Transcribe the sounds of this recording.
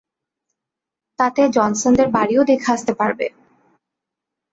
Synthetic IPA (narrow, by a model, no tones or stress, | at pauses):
t̪at̪ed͡ʑɔnsond̪eɾbaɾiod̪ekʰaast̪epaɾbḛ